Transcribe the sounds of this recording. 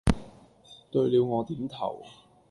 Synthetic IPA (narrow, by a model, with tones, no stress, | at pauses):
t̪ɵ˧ɥliː˨˧wŋɔː˨˧t̪iː˨˥mt̪ʰɐ̰˨˩w